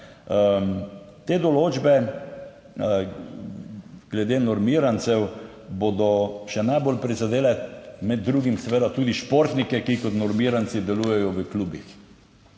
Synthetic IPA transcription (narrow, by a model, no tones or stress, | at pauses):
ə | t̪eːd̪ɔloːd͡ʒbɛ | ɡ̥lɛd̪eːnɔɾmiːɾant̪sɛw | bod̪ɔʃɛnajbolpɾizad̪eːlɛmɛd̪̚ːɾuːɡimsɛʋeːd̪at̪uːd̪iʃpoɾt̪nikɛkikɔt̪nɔɾmiɾansid̪ɛluːjɛjɔʋəkluːbḭx